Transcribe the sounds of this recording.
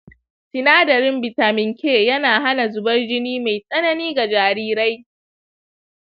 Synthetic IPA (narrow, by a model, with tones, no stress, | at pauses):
sɪ˨naː˦dɐ˨ɾɪ˦mbɪ˨taː˨mɪ˨ŋkʲʰeː˦˨jɐ˦naː˨ɦa˦na˨zʊ˨bɐ˦rd͡ʒɪ˦niː˦ma˨jsʼɐ˦nɐ˨niː˦ɡa˨d͡ʒaː˨ɾiː˦ɾa˦j